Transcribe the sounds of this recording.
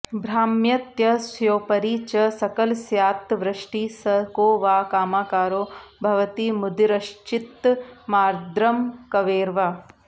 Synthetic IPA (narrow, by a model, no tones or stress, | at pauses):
bʱɾaːmjɐt̪jɐsjoːpɐɾiːt͡ʃɐsɐkɐlsjaːt̪ʋɾɐʂʈiːsɐkoːʋaːkaːmaːkaːɾoːbʱɐʋɐt̪imud̪iɾɐʃt͡ʃit̪maːɾd̪ɾɐmkɐʋeːɾʋaː